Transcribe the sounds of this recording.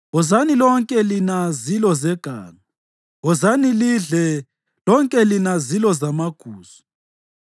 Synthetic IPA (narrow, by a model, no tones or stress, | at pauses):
ɔzanilɔŋkʼɛlinazilɔzɛɡ̥ʱa̰ːŋa | ɔzaniliɮɛ | lɔŋkʼɛlinazilɔzamaɡ̥ʱuːz̥ɔ̥